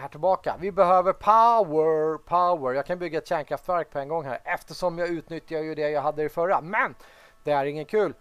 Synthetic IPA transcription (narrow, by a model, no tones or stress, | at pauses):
hæːʈʰɪlbɑːka̰vɪbɛɦøːvəɾpʰaəpʰaʊəɾjɑːkʰanbʏɡːaɛt̪ɕɛːnkʰɾaft̪væɾk̚pʰɔɛŋɡɔŋːhæ̰ːɾɛft̪əʂɔmjɑʉ̟ːt̪nʏt̪ʰːɪjajɵd̪ɛjɑːɦad̪ːəɪfœɾamɛn | d̪̥ɛæɾɪŋːənkʰʉ̟ːl